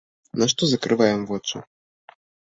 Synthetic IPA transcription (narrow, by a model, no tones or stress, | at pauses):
naʂt̪ɔzakɾɨvajɔ̃mvwɔt͡ʂa̰